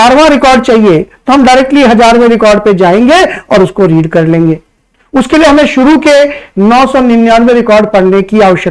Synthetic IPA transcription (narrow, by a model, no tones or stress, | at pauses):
aːɾʋãɾɪkɔːɾɖ̚t͡ʃaːɦiet̪oɦɐmɖɐɪɾek̚ʈliɦɐd͡ʒaːɾmẽɾɪkɔːɾɖped͡ʒaːẽːŋɡeɔːɾʊskoɾiːɖkɐɾlẽːŋɡeː | ʊskelieɦɐmẽʃʊɾukenɔːsɔnɪnjaːnmẽɾɪkɔːɾɖpɐɽ̤nekiaːʋəʃjək